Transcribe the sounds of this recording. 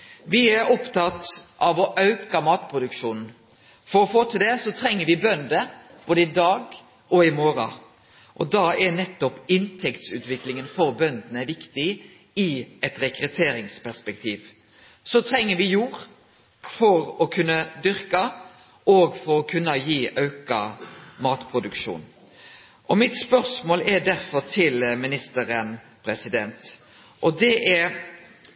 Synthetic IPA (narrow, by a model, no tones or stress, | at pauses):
ʋɪæɾɔpt̪ɑt̪ːʔɑʋɔʔɑʉkɑmɑːt̪pʰɾʊd̪ʉkʃuːnn̩ | fɔɾɔfoːt̪ʰɪld̪ɛsɔt̪ʰɾɛŋːəʋɪbœnd̪əb̥oːd̪əɪd̪ɑːɡ | ɔɪmoːɾɑ̰ | ʔɔ̰d̪ɑɛnɛt̪ːɔpɪnt̪ʰɛkt̪sʉ̰ːt̪ʋɪklɪŋənfɔɾbœnd̪ənəʋɪkt̪ɪ | ɪɛt̪ɾɛkɾʉt̪ʰeːɾɪŋspʰæʁspɛk̚t̪ʰiːʋ | sɔt̪ʰɾɛŋːəɾʋɪjuːʁ | fɔɾɔkʰʉnːɑd̪ʏʁkɑ | ʔoːɡfɔɾɔkʰʉnːɑjiːʔɑʉkɑmɑːt̪pʰɾʊd̪ʉkʃṵːn | ʔɔmɪt̪spœʁsmoːlɛd̪æɾfɔɾt̪ʰɪlmɪnɪst̪əɾən | pʰɾɛsɪd̪ɛnt̪ | ʔɔd̪ɛʔɛɾ